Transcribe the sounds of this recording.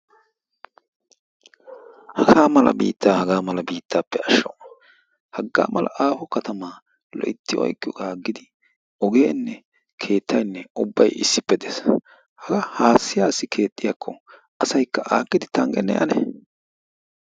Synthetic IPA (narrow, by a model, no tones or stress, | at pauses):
hɐɡaːmɐlɐ̰bḭːt̪ːaːhɐɡaːmɐlɐbiːt̪ːaːpːɛɐʃːɔ | hɐɡːa̰ːmɐlɐ̰ʔaːfɔkɐt̪ɐmaː | lɔ̰ʔɪt̪ːɪjɔ̰ɔ̰jkʼːɪjɔɡaːɡːɪd̪ɪ | ɔɡeːnːɛ | kʰe̞ːt̪ʰːɐjnːɛʊbːɐ̰jɪ̰sːɪpːɛd̪eːs | hɐɡɐhaːsːɪjaːsɪkʰe̞ːt̪ʼːɪjaːkʰːɔ | ʔɐsɐjkːɐʔaːkːɪd̪ɪt̪ɐŋɡɛnːɛ̰ʔɐ̰nɛ̰